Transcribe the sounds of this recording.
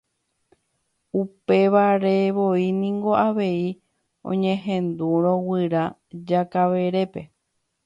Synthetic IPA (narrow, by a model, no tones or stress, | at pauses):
upe̞ʋaɾe̞ʋo̞inĩŋɡo̞aʋe̞i | õ̰ɲẽɦẽ̞nd̪uɾ̃õ̞wɨɾa | d͡ʒakaʋe̞ɾe̞pe̞